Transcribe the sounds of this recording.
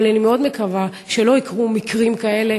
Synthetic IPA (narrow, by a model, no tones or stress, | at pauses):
lenimeo̞d̪me̞kava | ʃelo̞ikʁumikʁimkae̞le̞